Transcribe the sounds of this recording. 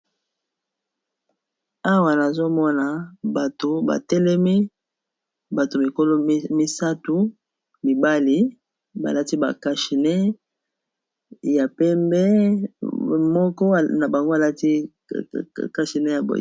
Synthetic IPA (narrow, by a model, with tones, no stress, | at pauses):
a˦wa˨na˨zo˦mɔ˦na˨ba˨to˨ba̰˨tɛ˦lɛ˦mi˦ | ba˨to˨mi˨ko˦lo˦mi˦sa˦tu˨ | mi˨ba˦li˨ | ba̰˨la˦ti˦ba̰˨ka˨ʃi˨nɛ˦ | ja˨pɛ˦mbɛ˦ | mɔ˦kɔ˦˨na˨ba˨ŋɡo˦a˨la˦ti˦ | ka˨ʃi˨nɛ˦ja˨bo̰˨j